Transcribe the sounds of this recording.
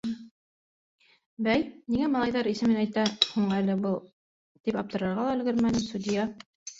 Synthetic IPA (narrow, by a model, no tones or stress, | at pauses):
bæjniŋæmɑlˠɑjðɑɾisɘ̆mɘnæjt̪æhuɴælɘ̆bɤlˠ | t̪ipɑp̚t̪ɤ̆ɾɑ̆ɾʁɑlˠɑɘ̆lɡɘɾmænɘmsud̪ijɑ